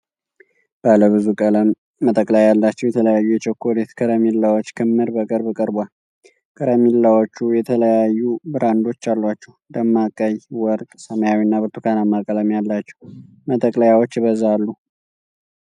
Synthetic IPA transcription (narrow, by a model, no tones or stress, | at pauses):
b̥aləβɨzukʼələmː | ət̪ʼəkʼlajjalːat͡ʃːɛwjɛt̪ʰələjajːujɛt͡ʃɛkʰːolet̪kʰəɾəmilːawot͡ʃːkʰɨmːɨɾbəkʼɨɾbɨkʼəɾbal | kʼəɾəmilːawot͡ʃːujɛt̪ʰələjajːubɨɾand̪o̞t͡ʃːalːat͡ʃːɛwd̪əmːakʼəjwɔɾtʼsəməjawinːabɨɾt̪ʰukʰanamːakʼələmjalːat͡ʃːɛ̥w | mət̪ʼəkʼlajawot͡ʃːbəzːaalːu